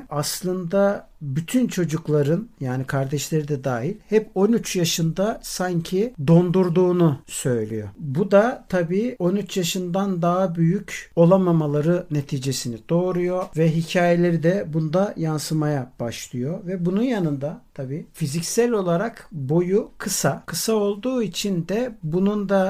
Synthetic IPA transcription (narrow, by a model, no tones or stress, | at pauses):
aslˠɯnd̪a | byt̪ʰynt͡ʃʰo̞d͡ʒuklˠaɾɯnjaːnikʰaɾd̪ɛʃlʲe̞ɾid̪ɛd̪aːɦilʲhɛpo̞nyt͡ʃjaʃɯnd̪asaɲcʰid̪o̞nd̪uɾd̪uːnusø̞jlʲḭjo̞̰bud̪at̪ʰabiːo̞nyt͡ʃjaʃɯnd̪and̪aɦabyjyco̞lˠamamalˠaɾɯne̞t̪ʰiːd͡ʒe̞sinid̪̥o̞ːɾujo̞vɛɦicʰaːje̞lʲe̞ɾid̪ɛbunud̪ajansɯmajab̥aʃlˠɯjo̞vɛbununjanɯnd̪at̪ʰabiːfizicsælʲo̞lˠaɾakbo̞jukʰɯsakʰɯsao̞lˠd̪uːit͡ʃʰind̪ɛbunund̪a